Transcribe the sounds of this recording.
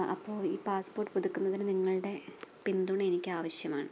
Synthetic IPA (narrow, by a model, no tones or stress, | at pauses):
ɐ̰pːo̞ːɭiːpaːspoːrʈɨpuðʱukʲːunːɐðinɨniŋːɐɭɨɽe̞pind̪uɳɐenikʲːɨaːʋɐɕjɐmaːɳɨ